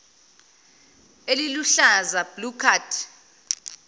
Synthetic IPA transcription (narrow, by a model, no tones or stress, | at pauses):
eliluɬazab̥lukʰaːtʰ